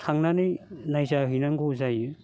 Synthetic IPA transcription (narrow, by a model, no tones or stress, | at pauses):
tʰaŋnanijnajzaɦɯjnaŋɡozaju